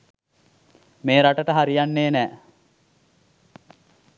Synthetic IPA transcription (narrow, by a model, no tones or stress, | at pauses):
meːɾaʈəʈəɦaɾijanːeːnæː